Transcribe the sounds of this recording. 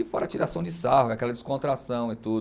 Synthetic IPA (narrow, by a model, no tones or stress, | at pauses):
ɪfɔɾat͡ʃiɾasɐ̃w̃d͡ʒɪsaɦʊɛakɛlɐd͡ʒɪskõt̪ɾasɐ̃w̃ɪt̪ud̪